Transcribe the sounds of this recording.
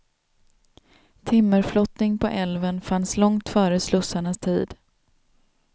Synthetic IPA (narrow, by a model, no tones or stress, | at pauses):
t̪ʰɪmːəɾflɔt̪nɪŋpʰɔʔɛlvənfanslɔŋt̪fœːɾəslɵsaɳast̪ʰiːd̪